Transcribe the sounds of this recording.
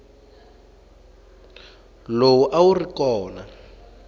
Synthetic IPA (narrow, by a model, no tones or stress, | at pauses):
lowuʔaurikɔːna